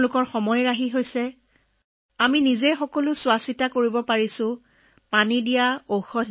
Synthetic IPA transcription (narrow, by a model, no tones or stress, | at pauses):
lʊkɔɹxɔmɔjɹaɦiɦojsɛ | aminizejxɔkɔlʊsʊwasitakoɹibɔpaɹisʊ̃ | panidijaoxɔ